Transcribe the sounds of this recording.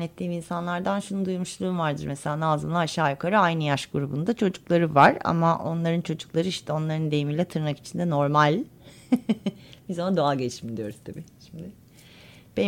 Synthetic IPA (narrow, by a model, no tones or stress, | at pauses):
ɛt̪ʰːiːminsanlˠaɾd̪anʃunud̪ujmuʃlˠuːmvaɾd̪ɯɾmese̞lʲaːnaːzɯnlˠaaʃaːjakʰaɾɯajnɯjaʃɡuɾubund̪at͡ʃʰo̞d͡ʒuklˠaɾɯvaɾa̰maʔo̞̰nlˠaɾɯnt͡ʃʰo̞d͡ʒuklˠaɾɯiʃt̪ʰɛo̞nlˠaɾɯnd̪ejimiːlʲɛt̪ʰɯɾnaki̥t͡ʃʰind̪ɛno̞ɾmalʲ | bizonad̪oaɟet͡ʃind̪ijo̞̰ɾuzt̪ʰabḭːʃimd̪ɪ | b̥e